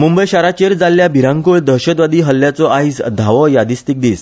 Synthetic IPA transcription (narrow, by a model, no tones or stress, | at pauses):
mumbəjɕaɾat͡ɕeɾd͡zalːjabʱiɾãŋkuɭd̪ʱəɾɕət̪ʋad̪iːɦəlːjat͡sɔʔaisd̪ʱaʋɔjad̪ist̪ik̚d̪iːs